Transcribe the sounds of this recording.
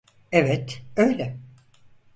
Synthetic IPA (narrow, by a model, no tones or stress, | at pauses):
evɛt̪øjlʲɛ